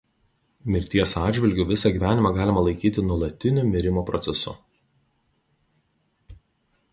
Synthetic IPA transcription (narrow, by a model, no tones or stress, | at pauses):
mʲɪɾʲt̪ʲiɛsɑːd̪ʲʒʲʋʲɪlʲɡʲʊʋʲɪsɐɡʲiʋʲæːnʲɪmɑɡɑːlʲɪmɐlˠɐɪkʲiːt̪ʲɪnuɔlˠɐt̪ʲɪnʲʊmʲɪɾʲɪmoːpɾɔt̪sʲɛsʊ̰